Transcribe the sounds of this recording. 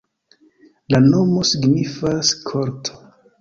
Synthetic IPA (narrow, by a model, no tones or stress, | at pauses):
lano̞mo̞siɡnifaskʰoɾtʰo̥